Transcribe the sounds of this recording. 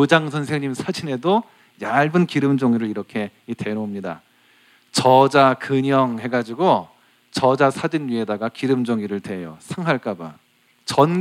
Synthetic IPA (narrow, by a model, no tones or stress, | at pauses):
od͡ʑaŋsʰʌnsʰe̞ŋɲimsʰad͡ʑine̞do | jaɭbɯnkiɾɯmd͡ʑoŋiɾɯɭiɾʌkʰe̞ite̞nomɲida̰ | t͡ɕʌd͡ʑakɯɲʌŋɦe̞ɡad͡ʑiɡo | t͡ɕʌd͡ʑasʰad͡ʑinɥie̞daɡakiɾɯmd͡ʑoŋiɾɯɭtwe̞jo̰sʰaŋɦwaɭk͈aba̰ | t͡ɕʌn